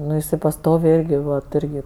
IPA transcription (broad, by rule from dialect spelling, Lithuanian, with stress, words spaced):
ˈnʊ ɪˈsɐɪ pɐsˈtoːʋʲɛɪ ˈɪrʲɡʲɪ ʋɐt ˈɪrʲɡʲɪ